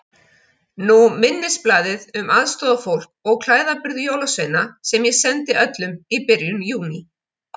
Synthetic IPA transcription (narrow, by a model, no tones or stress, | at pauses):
numɪnːɪsplaːðɪðʏmaðst̪ɔːðafowl̥k̚ɔɣkʰl̥aːjðapɪɾðʏjoːwlasvejnasɛmjɛsɛnt̪ɪʔœt̪lʏmipɪɾjʏmjuːni